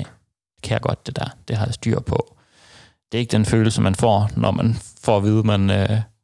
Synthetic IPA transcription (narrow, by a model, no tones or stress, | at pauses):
d̥e̝kʰæjaɡ̥ɒ̽d̥̚ːe̝d̥æɐd̥e̝ɦɑ̈jasd̥y̰ɐ̰pʰɒ̽ | d̥e̝ɐeɡ̥əd̥enføːl̩səmænfɒ̰ːnɒmʔænfɒːʋiːð̞ˠəmænø